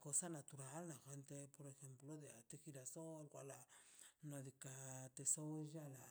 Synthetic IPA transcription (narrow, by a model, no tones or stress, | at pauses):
kosanat̪uɾalnaxent̪epoɾexemploðeat̪exiɾasoalkwalanoðekat̪esoʒala